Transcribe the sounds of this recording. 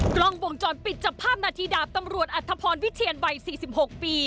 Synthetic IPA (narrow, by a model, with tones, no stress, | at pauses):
kɾɔ˧˥˩ŋwo˧˩ŋt͡ɕɔː˧˩npi˨˩t̪̚t͡ɕa˧˩pʰaː˥˩p̚naː˧t̪ʰiː˧daː˨˩t̪a˧mɾu˨˩ət̪̚ʔa˨˩t̪ʰːa˧pʰɔː˧nwi˦˥t̪ʰiː˧ənwa˨˩jsiː˨˩si˨˩p̚ho˨˩k̚piː˧